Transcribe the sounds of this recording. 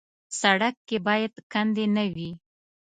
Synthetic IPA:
saɽakːebɑjad̪kand̪enəwi

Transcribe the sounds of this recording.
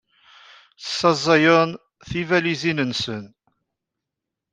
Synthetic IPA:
θsːɑzˤɑjən | θivælizinənsən

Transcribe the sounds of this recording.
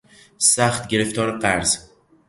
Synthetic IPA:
sæxt̪ɟe̞ɾe̞ft̪ʰɒːɾɢæɾz̥

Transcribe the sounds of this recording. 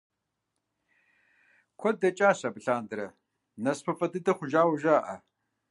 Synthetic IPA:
kʷʰɔdɐt͡ʃʼaːɕɐbɨɬaːndɨɾɐ | nɐspʰɐfʼɐdɨdɐχʷʊʒaːwʒaːʔɐ̰

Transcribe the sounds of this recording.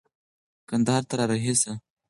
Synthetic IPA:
kand̪aɦɑɾt̪aɾɑɾaɦisa

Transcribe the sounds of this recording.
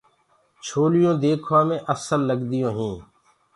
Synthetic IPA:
t͡ʃʰoːlɪjõːd̪eːkʰʋaːmẽːʔəsəlːəɡd̪ɪjõːɦĩː

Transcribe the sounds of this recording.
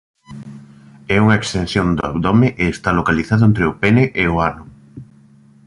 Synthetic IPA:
ɛuŋɐekst̪ẽnθjond̪ʊa̰bd̪ɔmeʔeːst̪alokaliθaðʊẽnt̪ɾeʊpeneʔeʊanʊ

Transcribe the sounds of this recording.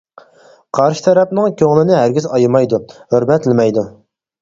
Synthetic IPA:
qʰɑɾʃɪ̥t̪ʰɛɾɛpnɪŋkʲʰøŋlˠɪnɪɦæɾɡʲizɑjmɑjd̪uhøɾmɛt̪lɪmɛjd̪u

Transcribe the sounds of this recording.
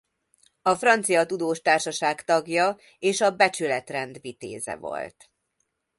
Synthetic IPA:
ɒfrɒnt̪sijɒt̪ud̪oːʃt̪aːrʃɒʃaːkt̪ɒɡjɒ | eːʃɒbɛt͡ʃylɛt̪rɛnd̪vit̪ḛːzɛ̰vo̞̰lt̪

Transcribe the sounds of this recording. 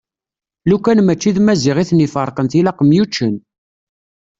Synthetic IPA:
lukːænmæt͡ʃːiðmæziʁiθnifəɾˤqənt̪ilɑqəmjut͡ʃːən

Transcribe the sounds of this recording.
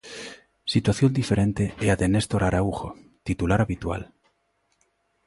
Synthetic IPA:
sit̪waθjond̪ifeɾent̪eeaðenest̪oɾaɾauxo̰t̪it̪ulaɾaβit̪wa̰l

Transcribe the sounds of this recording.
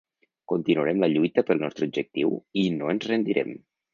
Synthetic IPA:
kunt̪inuəɾɛmləʎujt̪əpəlˠnɔst̪ɾəubd͡ʒək̚t̪iwinoənzrənd̪iɾʔɛ̰m

